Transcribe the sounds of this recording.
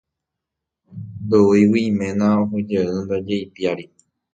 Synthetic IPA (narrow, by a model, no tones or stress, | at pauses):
d̪oiwimẽnãoɦod͡ʒeɨnd̪ad͡ʒejpjaɾi